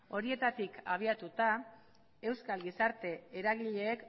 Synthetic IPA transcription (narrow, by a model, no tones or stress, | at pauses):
o̞ɾie̞t̪at̪ikaβ̞iat̪ut̪a | e̞wskalɡisaɾt̪e̞ːɾaɣiʎe̞ːk